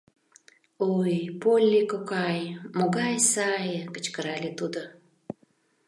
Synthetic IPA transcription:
ojpolʲːikokɑjmoɡɑjsɑjəkə̥t͡ɕkəɾɑlʲet̪ud̪o

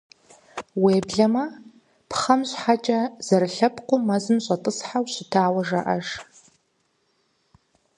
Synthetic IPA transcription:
weːbɮɐmɐ | pχɐmɕħat͡ʃʼɐz̥ɐɾɨɬɐpqʷʊmɐzɨmɕʼɐtʼɨsħawɕɪtʰaːwɐʒɐʔɐʒ

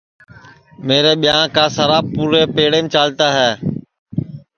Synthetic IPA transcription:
meːɾeːɓɪjãːkãːsəɾaːbpuːɾeːpeːɽeːmt͡ʃaːlt̪aːɦɛː

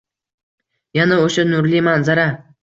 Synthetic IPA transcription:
janaoʃanʊɾlimanzaɾa

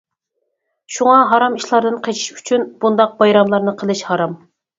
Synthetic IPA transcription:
ʃuŋɑɦɑɾɑmiʃlˠɑɾd̪ɨnqʰet͡ʃʰi̥ʃy̥t͡ʃʰynb̥und̪ɑq̚bɑjɾɑmlˠɑɾnɨqʰəlˠɨʃhɑɾɑm

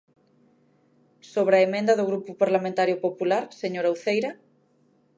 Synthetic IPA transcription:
soβ̞ɾɐemẽnd̪ɐðoɣɾupupaɾlamẽnt̪aɾjopopulaɾseɲoɾawθejɾɐ

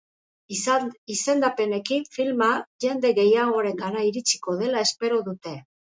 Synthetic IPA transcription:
ise̞nd̪ape̞ne̞kinfilmaʝe̞nd̪e̞ɣe̞jaɣo̞ɾe̞ŋɡaɾaiɾit͡si̥ko̞ð̞e̞lae̞spe̞ɾoðut̪e̞

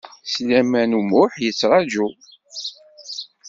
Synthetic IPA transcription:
slæmænumʊħjət͡sːɾˤɑd͡ʒu

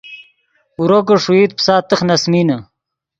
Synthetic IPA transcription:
uɾoɡəʂuiːt̪̚psaːt̪ɨχnɐsminɐ

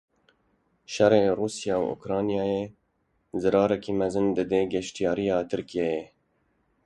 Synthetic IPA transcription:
ʃɛreːruːsijɑːwʔo̰kɾɑːnijɑːjeː | zɨɾɑːɾɛkiːmɛzɨnd̪ɨd̪eːɡɛʃt̪ijɑːɾijɑːt̪ʰɨɾkijejɛ

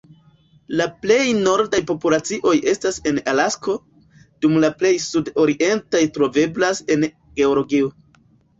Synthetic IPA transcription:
laple̞jno̞ɾdajpo̞pulat͡siʔo̞je̞stase̞nalasko̞ | d̥umlaple̞jsudo̞ɾiʔe̞ntajtɾo̞ve̞blase̞n | ɡe̞olo̞ɡio

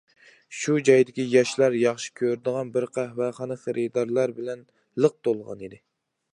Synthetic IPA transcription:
ʃud͡ʒɑjd̪ɪkʲijɑʃlɑɾjɑχʃi̥kʲʰøɾd̪əʁɑnbɪɾqʰæhvɛχɑnɨχəɾʔɨd̪ɑɾlˠɑɾbɪlɛn | lˠəq̚t̪olˠʁɑ̰nid̪ɪ

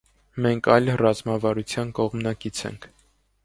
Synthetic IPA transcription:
mɛŋkʰɑjlrɑzmɑvɑɾut͡sʰjɑnkɔʁmnɑkit͡sʰɛ̰ŋkʰ

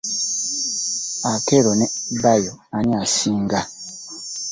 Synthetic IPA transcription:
akɛɾonɛbajoanĩasiŋɡa

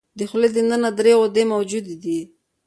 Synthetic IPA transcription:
d̪əxled̪ənənad̪ɾeod̪emawd͡ʒud̪d̪i

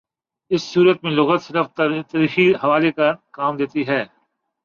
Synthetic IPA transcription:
ɪsːuːɾət̪mẽlʊɣət̪sɐɾəft̪ɐɾiːxihɐʋaːlekɐkaːmd̪eːt̪iɦɛː

